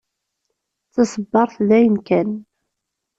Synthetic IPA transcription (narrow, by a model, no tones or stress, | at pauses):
t͡sːəsəbːɑɾˤθðæjənkæn